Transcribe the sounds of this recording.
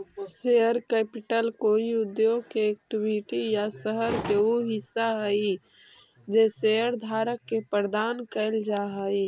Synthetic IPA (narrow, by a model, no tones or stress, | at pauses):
seəɾkɛːpɪʈəlkoːiʊd̪joːɡ̚keɛk̚ʈɪbʱiʈijasəɦəɾkeoɦɪsːaɦəi | d͡ʒeseəɾd̪ʱaːɾəkːepəɾd̪aːnkəɪld͡ʒaɦəi